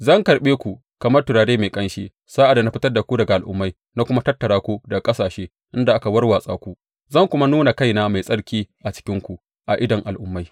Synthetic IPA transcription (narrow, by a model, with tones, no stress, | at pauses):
zɐ˦˨ŋkɐ˨ɾɓeː˦kʷu˨ | kɐ˨mɐ˦rtʊ˨ɽaː˨ɽeː˦ma˨kʼɐ˦nʃḛː˦ | saː˦ʔa˨dna˦ɸɪ˦tɐ˦rda˨kʷu˦dɐ˨ɡa˨ʔa˨ʔʊ̰˦mːa˦j | na˦kʷʊ˦ma˦tɐ˦tːɐ˨ɽaː˦kʷu˦dɐ˨kʼɐ˦saː˨ʃeː˦ | ʔɪ˦nda˨ʔa˦ka˨wɐ˦rwaː˨sʼa̰ː˦kʷu˦ | zɐ˦˨ŋkʷʊ˦ma˦nuː˦na˨ka˦˨jna˦ma˨jsʼɐ˦ɽkʲiː˦ʔa˨t͡ʃɪ̥˦kʲɪ˦ŋkʷu˨ | ʔa˨ʔɪ˦dɐ˨ŋʔa˨lʔʊ˦mːa˦j